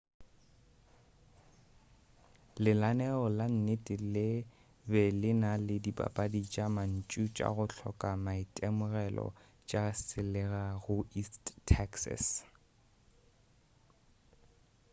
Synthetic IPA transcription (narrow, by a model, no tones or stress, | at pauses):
lɪlanɛɔlan̩netʼɪlɪ | bɛlɪnalɪdibʼa̰pʼadit͡ʃʼaman̩t͡ʃʼut͡ʃʼa̰ɣʊɬʰɔ̰kʼamaitʼɛmʊɣɛlɔ̰ | t͡ʃʼasɪlɛɣaɣʊistʰɛksa̰s